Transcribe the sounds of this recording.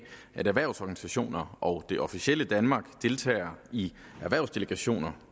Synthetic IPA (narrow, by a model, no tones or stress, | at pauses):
æɾæɐʋæɐʊsɒːɡ̥ænisæɕo̝̰ːnɐɒ̽ʊd̥e̝ʔɒ̽fiɕiel̰əd̥ænmɑ̈ːɡ̥d̥e̝lt͡sʰɛ̰ːɪɐi | æɐʋæɐ̰ʊsd̥e̝ləɡ̥æɕo̝̰ːnɐ